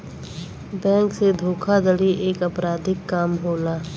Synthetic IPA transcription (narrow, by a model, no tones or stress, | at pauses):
bɛ̃ːŋksed̪ʱoːkʰad̪əɽiʔeːkəpɾaːd̪ʱɪkːaːmɦoːlaː